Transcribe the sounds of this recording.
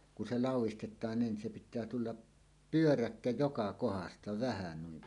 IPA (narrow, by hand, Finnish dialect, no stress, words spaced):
ku se lɑˑuwˑistetˑɑːn niːn se pitˑæː tulːɑ pyørækːæ jokɑ kohɑstɑ ʋæhæ nuim